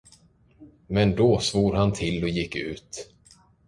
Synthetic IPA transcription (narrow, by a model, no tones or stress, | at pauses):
mɛnd̪ɔsvuːɾhant̪ʰɪlːɔjɪkːʉ̟ːt̪